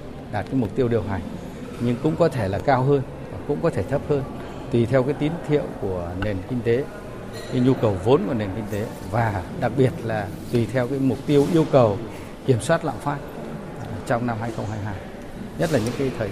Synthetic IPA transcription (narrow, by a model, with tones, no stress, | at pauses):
ɗaː˨˩t̚kaː˨˦jmʊ˨˩k͡p̚t̪i˧əwɗəwɦa˨˩jŋ̟ | ɲɨ˧ŋkʊ̰˧˥ŋ͡mkɔ˨˦t̪ʰe˧˩laː˨˩kaː˧wɦəː˧n | va˨˩kʊ̰˧˥ŋ͡mkɔ˨˦t̪ʰe˧˩t̪ʰə˦˥p̚həː˧n | t̪wi˨˩t̪ʰɛ˧wkaː˨˦jt̪i˨˦nt̪ʰḭ˧˨əwku˧˩əne˨˩nkï˧ŋ̟t̪e˨˦ | kaː˧˨˦jɲu˧kə˨˩wvo˨˦nku˧˩əne˨˩nki˧ŋ̟t̪e˨˦ | vaː˨˩ɗa˨˩k̚ɓi˨˩ət̚laː˨˩ | t̪wi˨˩t̪ʰɛ˧wkaː˨˦jmʊ˨˩k͡p̚t̪i˧əwʔi˧əwkə˨˩w | ki˧˩əmswaː˦˥t̚la̰ː˧˨mfaː˦˥t̚ | t͡ɕɔ˧wŋ͡mna˧mhaː˧jxə˧wŋ͡mɦaː˧jɦaː˧j | ɲə˦˥t̚laː˨˩ɲɨ̰˧˥ŋkaː˨˦jt̪ʰəː˨˩